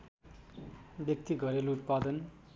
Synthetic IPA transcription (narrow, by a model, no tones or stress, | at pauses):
bjʌk̚t̪iɡʱʌɾelut̪̚pad̪ʌn